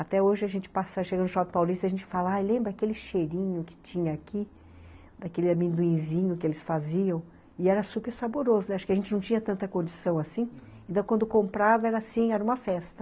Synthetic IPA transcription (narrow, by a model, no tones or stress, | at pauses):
at̪ɛoʒɪɐʒẽnt͡ʃɪ̥pasaʃeɡɐ̃nʊʃɔpɪpawlist̪ɐʒẽnt͡ʃɪ̥falɐajlẽmbɾɐakelɪʃeɾĩɲʊkɪ̥t͡ʃĩɲɐːkʰi | d̪akelɪamĩnd̪uĩzĩɲʊkɪelɪsfaziɐ̃w̃ | ɪɛɾɐsupeɾsaboɾozʊnɛaʃʊ̥kɪɐʒẽnt͡ʃɪnɐ̃w̃t͡ʃĩɲɐt̪ɐ̃nt̪ɐkõnd͡ʒisɐ̃w̃asĩ | ẽt̪ɐ̃w̃kwɐ̃nd̪ʊkõmpɾavɐɛɾɐasĩɛɾɐũmɐfɛst̪ɐ̥